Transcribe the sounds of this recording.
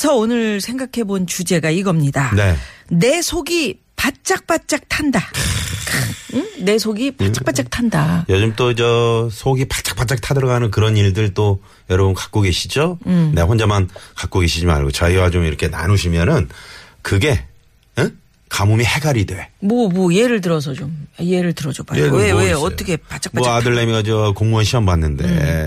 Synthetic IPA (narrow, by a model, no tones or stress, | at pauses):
sʰʌonɯɾsʰe̞ŋɡakʰe̞bont͡ɕud͡ʑe̞ɡaiɡʌmɲidane̞ne̞sʰoɡi | pat̚t͡ɕ͈ak̚p͈at͡ɕ͈ak̚tʰanda | ne̞sʰoɡipt͡ɕapat̚t͡ɕ͈ak̚tʰandajʌd͡ʑɯmt͈oid͡ʑʌsʰoɡipat̚t͡ɕ͈ḁk̚p͈at̚t͡ɕ͈ak̚tʰadɯɾʌɡanɯnkɯɾʌniɭdɯɭt͈o | jʌɾʌbunkḁk͈̚oɡe̞ɕʰid͡ʑoneɸwond͡ʑamankak͈oɡe̞ɕʰid͡ʑima̰ɭɡot͡ɕʌiwat͡ɕomiɾʌkʰe̞na̰nuɕʰimjʌnɯnkɯɡe̞ | kamumihe̞ɡaɾidwe̞mʌbʌieɾɯɭt̬ɯɾʌs̬ʰʌt͡ɕomaieɾɯɭtɯɾʌd͡ʑopaweweʌt͈ʌkʰepat͡ɕ͈ak̚maʌadɯɭːemɡad͡ʑikoŋmuʌnɕʰianbanːɯnde̞̰